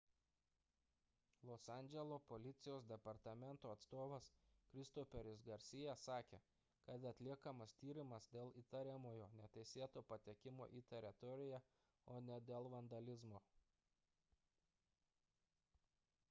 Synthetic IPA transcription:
lˠɔsɑˑnʲd͡ʒʲɛlˠoːpɔlʲɪt̪sʲɪjoːsd̪ʲɛpɐɾt̪ɐmʲɛnt̪oːɐt̪st̪oːʋɐskɾʲɪst̪ɔfʲɛɾʲɪsɡɐɾʲsʲɪjɛsɑːkʲḛː | kɐt̪ɐt̪ʲlʲiɛkɐmɐst̪ʲiːɾʲɪmɐsd̪ʲeːlˠiːt̪ɐɾʲɛmoːjoːnʲɛt̪ʲɛɪsʲeːt̪oːpɐt̪ʲɛkʲɪmo̰ːʔiːt̪ʲɛɾʲɪt̪ɔɾʲɪjæ | oːnʲɛd̪ʲeːlˠʋɐnd̪ɐlʲɪzmoː

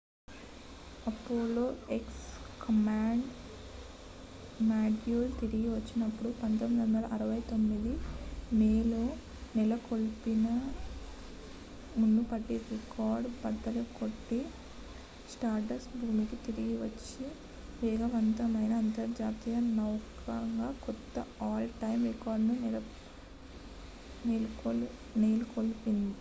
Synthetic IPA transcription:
ɐpːoːloːekskɐmaːɳɖ | maːɖjuːlt̪iɾiɡiʋɐt͡ʃːinɐpːuɽupɐnt̪ɐmid̪ʋɐnd̪ɐlɐʔɐɾɐʋɐjt̪o̞mːid̪imeːloː | nɛlɐkolpinɐ | munːupɐʈːiɾekaːɾɖbɐd̪ːɐlukoʈːi | sʈaːɾʈɐɾsbʱuːmikit̪iɾiɡiʋɐt͡ʃːi | ʋɛːɡɐʋɐnt̪ɐmɐjnɐːnt̪ɐɾd͡ʒaːt̪ijɐnɐwk | ɐŋɡaːkɔt̪ːɐaːlʈɐjmɾikaːɾɖnunɛlɐ | neːlkol | neːlukolpind̪i

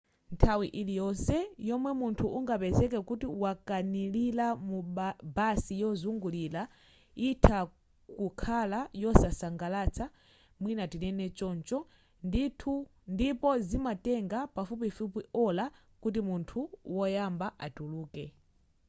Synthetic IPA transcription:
ntʰawiʔilijɔnsɛjɔmwɛmuntʰuuŋɡapɛzɛk̬ɛkutiwakanililamubasijɔzuŋɡuliːla | itʰa | kukʰalajɔsasaŋɡalat͡sʰa | mwinatinɛnɛt͡ʃɔnt͡ʃɔ | nditʰundipɔzimatɛŋɡapafup̬ifupiɔla | kut̬imuntʰuwɔjambaʔatuluːkɛ

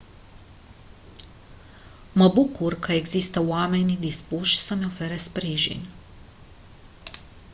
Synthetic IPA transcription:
mabukuɾkaɛɡzist̪awaːmɛjnid̪ispuʃsamɛɔfɛɾɛspɾiːʒḭn

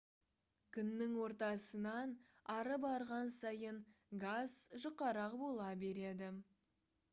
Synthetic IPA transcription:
kʲʰʏnːɪŋwo̞ɾt̪ɑsənɑn | ɑɾəbɑɾʁɑnsɑjən | ɡaz̥ʒʊqːɑɾɑqbo̞lˠɑbe̞ɾe̞d̪ɪ

